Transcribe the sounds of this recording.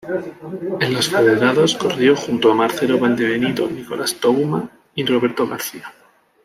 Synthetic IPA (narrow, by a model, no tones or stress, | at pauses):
e̞nlasfeðeɾaðoskorjo̞xunt̪oamaɾθe̞ɾo̞βand̪eβe̞nit̪o̞̰niko̞lʔast̪oma | iro̞βe̞ɾt̪o̞ɣ̞aɾθia